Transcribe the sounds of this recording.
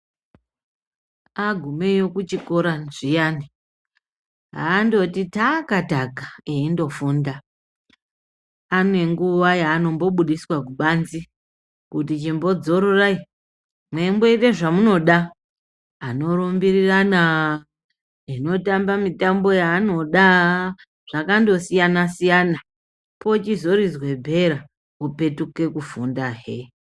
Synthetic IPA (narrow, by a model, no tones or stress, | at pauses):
aɡʱume̞jo̞kut͡ʃiko̞ɾaʐijani | ɦa̰ːndo̞titakataɡʱaeindo̞fuːnda | anwe̞ŋɡuʋajaːno̞mbo̞ɓuɗiswakuɓanzi | kutit͡ʃimbo̞d͡zo̞ɾo̞rai | mwe̞mbeiteʐamuno̞ɗaː | no̞ɾombirirana | ino̞tambamitambo̞jaːno̞ɗa | ʐ̥akando̞sijanasijana | po̞t͡ʃizo̞ɾizwe̞bʱeɾa | upe̞tuke̞kufundaɦe